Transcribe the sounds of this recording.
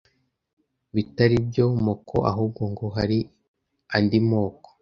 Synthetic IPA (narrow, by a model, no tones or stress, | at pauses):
βitaɾibjomokʰoʔa̰ɦuːb̚ɡoŋɡoɦaɾi | andimo̞ːko̥